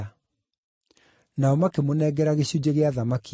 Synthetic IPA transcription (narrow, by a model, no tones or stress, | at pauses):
naɔmakemonɛːɡɛɾaɣeɕud͡ʑeɣeaðamaki